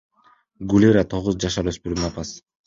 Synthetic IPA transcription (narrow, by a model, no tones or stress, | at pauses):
ɡulʲiɾat̪ʰo̞ʁuzd͡ʒɑʃɑɾøspyɾnɑpɑs